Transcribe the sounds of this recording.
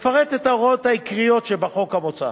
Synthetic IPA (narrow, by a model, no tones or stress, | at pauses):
faʁetet̪aʁot̪haikʁijo̞tʃebaχo̞kamot͡sa̰